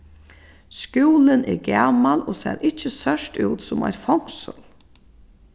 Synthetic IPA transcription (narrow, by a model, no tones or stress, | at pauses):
skjuːlənɛɾɡaːmaloːsɛ̰ːɾʔɪt͡ʃəstœʂtuːt̪sʊma̰ɪɾfɔŋ̥səl